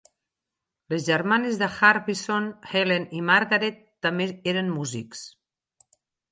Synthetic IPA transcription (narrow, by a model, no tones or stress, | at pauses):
lezʒəɾmanezðəxaɾβisonhelenimaɾɣaɾet̪ːameeɾənmuziks